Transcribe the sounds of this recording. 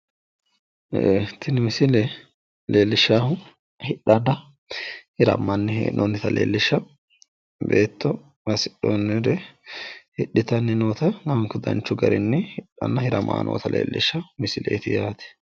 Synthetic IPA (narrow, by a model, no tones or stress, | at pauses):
t̪ːɪnɪmɪsɪlɛ | leːlːɪʃːaːhʊ | hɪᶑːɐnːɐ | hɪɾɐ̰mːɐnːɪ̰nʔɔnːɪt̪ɐlḛːlːɪʃːɐ | be̞ːt̪ːɔ | mɐsɪ̥ɗːonːɪɾɛ | hɪɗːɪt̪ɐnːɪnoːt̪ɐnɐŋkːʊd̪ɐ̰nt͡ʃːʊɡɐ̰ɾɪnːɪhɪɗːɐ̰nːɐhɪɾɐmʔa̰ːnʔo̰ːt̪ɐlḛːlːɪʃːɐmɪsɪlḛːt̪ɪjaːt̪ɛ̥